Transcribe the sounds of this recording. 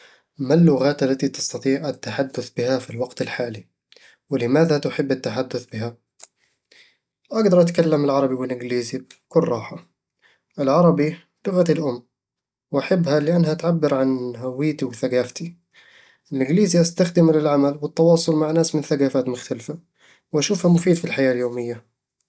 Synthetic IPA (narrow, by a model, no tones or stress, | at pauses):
malːʊɣaːt̪ʔalːat̪it̪ɪ̥st̪ɑt̪ˤiːʕʔat̪ːaħad̪ːʊθbɪhafilwɑɡt̪ɪlħaːli | wɪlɪmaːðat̪ʊħɪbːat̪ːaħad̪ːʊθbɪɦa | ʔaɡd̪ɑɾˤʔat̪kalːamɪlʕɑɾˤɑbiwɪlʔɪɡliːzikʊlɾˤɑːħa | ʔɪlʕɑɾˤɑbi | lʊɣat̪ɪlʔʊmː | wʔaħɪbːhalɪʔanːhaat̪ʕabːɪɾʕanɦawːiːt̪iwɪθaɡaːft̪i | ɪlʔɪɡliːziʔast̪axd̪ɪmlɪlʕamalwɪt̪ːɑwɑːsˤʊlmaʕnaːsmɪnθaɡaːfaːt̪mʊxt̪alfa | wʔaʃuːfhamʊfiːd̪filħajaːljoːmɪjːa